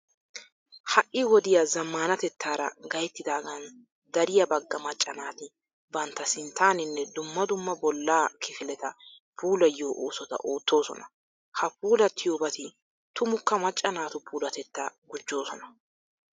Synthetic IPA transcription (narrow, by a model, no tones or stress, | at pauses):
hɐʔːɪwɔd̪ɪjazɐmːaːnɐt̪ɛt̪ʰːaːɾɐ̰ɡɐjt̪ːɪd̪aːɡɐn | d̪ɐɾɪjɐbɐɡːɐmɐt͡ʃʼːɐnaːt̪ɪ | bɐnt̪ːɐsɪnt̪ːaːnɪnːɛd̪ʊmːɐd̪ʊmːɐbɔlːaːkʰɪfɪlɛt̪ɐ | pʰuːlɐjo̞ːʔoːsɔt̪ɐ̰ʔo̞ːt̪ːo̞ːsɔ̰nɐ | hɐpuːlɐt̪ʰɪjoːbɐt̪ɪ | t̪ʊmʊkːɐmɐt͡ʃʼːɐnaːt̪ʊpʰuːlɐt̪ɛt̪ːaɡʊd͡ʒːo̞ːsɔnɐ